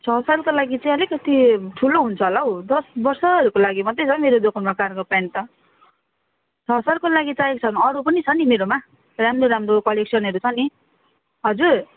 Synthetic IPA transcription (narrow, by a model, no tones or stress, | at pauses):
t͡sʰʌsalkolaɡit͡saĩʌlikʌt̪iʈʰuloɦunt͡sʰʌɦolaɦod̪ʌsbʌrsʌʌɾukolaɡimʌd̪ːet͡sʰʌmeɾod̪okʰnmakarkopant̪ʌ | t͡sʰʌsalkolaɡit͡saekt͡sʰʌnuʌɾupʌnit͡sʰʌnimeɾoma | ramroɾamrokʌleksʌnɦʌɾut͡sʰʌni | ɦʌd͡zur